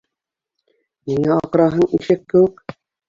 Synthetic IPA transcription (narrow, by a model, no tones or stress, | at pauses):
miŋæɑqɾɑɦɤɴiʃɘkːɘ̆wɘk̚